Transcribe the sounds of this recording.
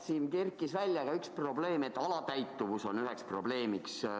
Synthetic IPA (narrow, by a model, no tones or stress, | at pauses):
siːnkerkːˑisvælʲːjɑɡ̥ɑykspro̞ble̞ːme̞t̪ːˑɑlɑt̪æjt̪ˑːuvuso̞nyɦɛkspro̞b̥le̞ːmiks